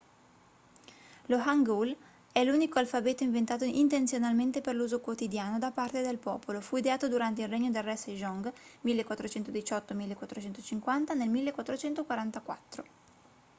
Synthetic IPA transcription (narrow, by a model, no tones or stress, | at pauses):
loɦaŋɡul | ɛluːnikoalfabɛːt̪oiɱvent̪aːt̪oint̪ent̪sjonalment̪eperluːzokwot̪id̪jaːnod̪apart̪ed̪elpɔ̰ːpolofuid̪eaːt̪od̪uɾant̪eilreɲːod̪elrɛseʒɔŋɡmilːekwat̪ːɾot͡ʃɛnt̪od̪it͡ʃɔt̪ːomilːekːwat̪ːɾot͡ʃɛnt̪ot͡ʃiŋkwant̪anelmilːekwat̪ːɾot͡ʃɛnt̪okwaɾant̪akwa̰t̪ːɾo